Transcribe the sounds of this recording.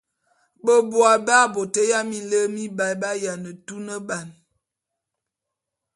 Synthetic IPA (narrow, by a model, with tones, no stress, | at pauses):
bə˦bwa˨ba˦˨bo˨tə˦ja˦mi˦lə˦mi˦ba˨jba˦ja˨nə˨tu˦nə˦ba˨n